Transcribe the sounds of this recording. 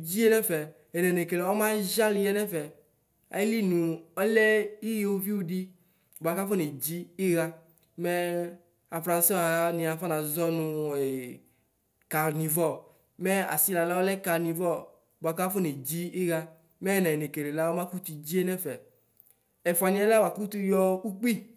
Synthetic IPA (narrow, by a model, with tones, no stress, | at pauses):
d͡ʑi˦e˦nɛ̃˦fɛ˨ | ɛ˨nɛ˨ne˨ke˨la˨˦ɔ˦mã˦ʒa˦li˨jɛ˦nɛ˦fɛ˨ | a̰˨ji˦li˦nũ˨ɔ˦lɛ˦i˦je˦wu˦vi˦wu˦di˦ | ba˨ka˦fo˦ne˨d͡ʑi˦i˦ɣa˦ | mɛ˦ | a˨fɾã˨n˦sɔ˦˨a˨˦nĩ˨a˨fa˦nã˨zɔ˦nũ˧e˨ | ka˨nĩ˨vɔ˦˨ | mɛ˦a̰˨si˦la˨la˦wɔ˦lɛ˦ka˧nĩ˨vɔ˦˨ | bo˨a˨˧ka˦fo˦ne˨d͡ʒi˦i˦ɣa˧ | mɛ˦˨nɛ̃˨ne˨ke˨le˨la˦wɔ˦mã˦ku˦t̪u˧d͡ʒi˦ɛ˦nɛ˦fɛ˨ | ɛ˨fɔ˨a˨nĩ˨˦a˦la˦wa˨ku˦t̪u˧jɔ˧ku˦k͡pi˦